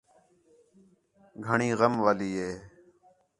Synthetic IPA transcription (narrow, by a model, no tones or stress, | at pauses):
ɡʱəɳiːɣəmʋaːliːɦeː